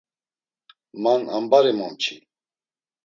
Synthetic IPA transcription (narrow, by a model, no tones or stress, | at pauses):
mana̰mbaɾimɔmt͡ʃʰi